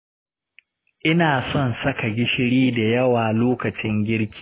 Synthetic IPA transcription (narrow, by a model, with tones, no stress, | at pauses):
ʔɪ˦naː˨sɔ˦˨nsɐ˦ka˨ɡʲɪ˦ʃɪ˦ɽiː˦da˨jɐ˦waː˨loː˦kɐ˨t͡ʃɪ˦ŋɡʲɪ˦ɾkʲi̥ː˦˨